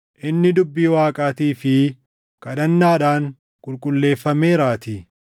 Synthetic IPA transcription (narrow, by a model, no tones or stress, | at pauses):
ʔɪnːɪd̪ʊbːiːwaːkʼaːt̪iːfɪ | kɐᶑɐnːaːᶑaːŋ | kʼʊlkʼʊlːe̞ːfːɐmeːɾaːt̪i